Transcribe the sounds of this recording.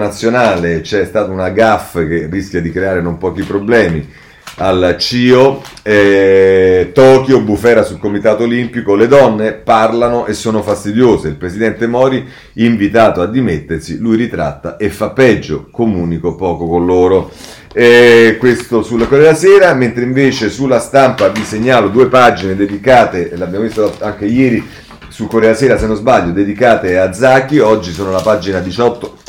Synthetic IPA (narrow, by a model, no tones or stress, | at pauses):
nat̪sːjonaːlet͡ʃɛst̪aːt̪aunaɡafːkerːisk̟ʲjad̪ikɾeaːɾenompɔːk̟ipɾoblɛːmi | alt͡ʃiːoɛ | t̪ɔːkiobːufɛːɾasulkomit̪aːt̪oolimpikoled̪ɔnːeparlanoʔesːoːnofast̪id̪joːzeilpɾesid̪ɛnt̪emɔːɾi | iɱvit̪aːt̪oad̪ːimet̪ːersilujɾit̪ɾa̰t̪ːaʔefːapːɛd͡ʒːo̰komuːnikopɔːkokonloːɾo | ɛkwest̪osulakoɾɛːasɛːɾament̪ɾeiɱveːt͡ʃesulːast̪ampaviseɲːaːlod̪uːepad͡ʒined̪ed̪ikaːt̪eleabjamovist̪oaŋk̟ejɛːɾi | sukoɾɛːasɛːɾasenːozbaʎːod̪ed̪ikaːt̪ead̪zakːiɔd͡ʒːisoːnolapad͡ʒinad̪it͡ʃɔt̪ːo